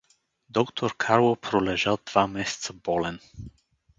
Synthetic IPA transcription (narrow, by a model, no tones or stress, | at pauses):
d̪ɔkt̪ʰoɾkʰaɾlˠopɾolɛʒalˠd̪vamɛsɛ̥t̪səbɔlɛn